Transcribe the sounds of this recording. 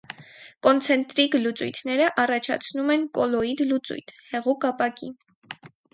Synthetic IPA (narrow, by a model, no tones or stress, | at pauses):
kɔnt͡sʰɛnt̪ɾiklut͡sujt̪ʰnɛɾəʔɑrɑt͡ʃʰɑ̰t͡sʰnumɛnkɔlɔid̪lut͡sṵjt̪ʰhɛʁukɑpɑkḭn